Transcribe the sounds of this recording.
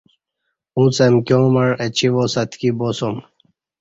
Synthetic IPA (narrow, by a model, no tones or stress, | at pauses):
ũt͡semkjõːmɐɳet͡ɕʰiʋosɐt̪ʰkibosom